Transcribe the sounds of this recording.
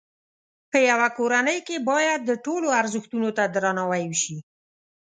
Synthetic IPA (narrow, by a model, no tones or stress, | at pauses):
pəjawakoɾanəjkebɑjad̪̚ːəʈoloaɾzəxt̪unot̪ad̪ɾɑnawajwʃi